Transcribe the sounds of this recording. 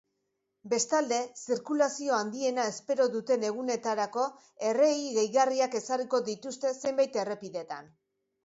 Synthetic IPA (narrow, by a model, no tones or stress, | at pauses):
be̞st̪ald̪e̞siɾkulasio̞and̪ie̞nae̞spe̞ɾo̞ðut̪e̞ne̞ɣ̞une̞t̪aɾako̞ | e̞re̞iɣe̞jɣariake̞sariko̞ðit̪ust̪e̞se̞mbajt̪e̞re̞piðe̞t̪an